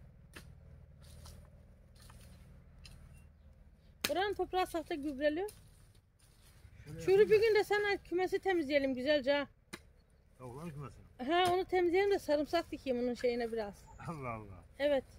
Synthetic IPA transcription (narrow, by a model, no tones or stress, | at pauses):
boɾaɯnt̪ʰo̞pɾaːsaht̪ʰaɟybɾelʲijo | ʃuɾubyɟynd̪ɛsænɛcʰymɛs̬it̪ʰemizlijelʲimɟyzælʲd͡ʒa | ɦɛ̃o̞nut̪ʰemizijeimd̪ɛsaɾɯmsazt̪ʰicʰijimonunʃejinɛbiɾaz̥ | ɛvɛt̪